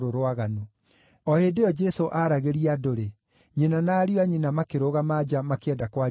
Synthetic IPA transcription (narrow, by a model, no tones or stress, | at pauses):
ɾoɾowaɣano | ɔhedeɔd͡ʒɛsoʔaɾaɣeɾiadoɾe | ɲenanaːɾiɔaɲenamakeɾoɣamad͡ʒamakeɛdakwa